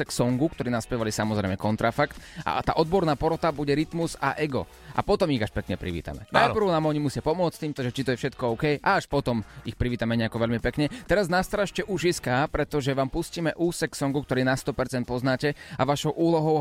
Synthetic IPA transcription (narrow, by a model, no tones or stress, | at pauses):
ɛksɔŋɡukt̪ɔɾiːnaspjɛʋalisamɔzɾɛ̰ɪmɛkɔnt̪ɾafakt̪a̰t̪a̰ːʔɔd̪̚bɔɾnaːpɔɾɔt̪abuɟɛɾit̪muza̰ʔɛɡɔ̰ | ʔa̰pɔt̪ɔmiɣaʃpɛkɲɛpɾḭʋḭːt̪a̰mɛ̰naɪpr̩ʊnaːmɔɲimusɪapɔmʊɔt͡st̪iːmt̪ɔʒɛt͡ʃit̪ɔjɛfʃɛt̪kɔɔʊkɛjʔaaʃpɔt̪ɔmixpɾiʋiːt̪amɛɲɛakɔʋɛʎmipɛkɲɛt̪ɛɾaznast̪ɾaʃcɛʔuʒiskaːpɾɛt̪ɔʒɛʋaːmpusciːmɛʔuːsɛksɔŋɡukt̪ɔɾiːnast̪ɔpɛɾt͡sɛnt̪̚pɔznaːcɛa̰ʋaʃɔʊʔuːlɔɦɔʊ